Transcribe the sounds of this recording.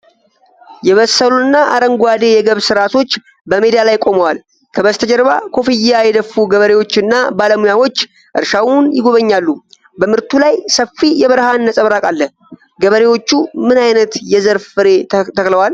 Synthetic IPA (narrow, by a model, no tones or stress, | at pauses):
jɛβəsːəlunːaʔa̰ɾəŋɡwad̪e̞jɛɡəβsɨɾat̪ʰo̞t͡ʃː | bəmed̪ijalajkʼo̞məwal | kʰəβəst̪ʰəd͡ʒɛɾβa̰kʰo̞fijːajɛd̪əfuɡəβəɾe̞wo̞t͡ʃːɨnːabaləmujawo̞t͡ʃː | ʔɨ̰ɾʃawunjɪɡo̞βəɲːalːu | bəmɨɾt̪ʰulajsəfijɛβəɾhanːəsʼəβɾakʼalːə | ɡəβəɾe̞wo̞t͡ʃːumɨnajnət̪jɛzəɾffɨɾe̞t̪ʰəkʼləwal